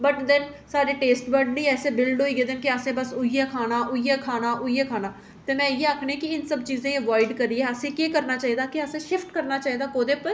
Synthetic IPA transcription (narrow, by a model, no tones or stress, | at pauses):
bəʈd̪ɛ̃nsaːɖeːʈeːsʈbəɾɖnĩːɛːseːbɪlɖɦoːiːɡeːd̪enkeəsẽːbəsʊiɛːkʰaːnaːʔʊiːɛːkʰaːnaːʔʊiɛːkʰaːnaː | t̪eːmɛ̃ːɪjeːaːkʰɽ̃ẽːkɪɪnsəbt͡ʃiːzẽːəʋaːɪɖkəɾːiːɛːəsẽːkeːkəɾnaːt͡ʃaːɦiːd̪aːkiəsẽːʃɪfʈkəɾnaːt͡ʃaːɦiːd̪aːkoːd̪eːpə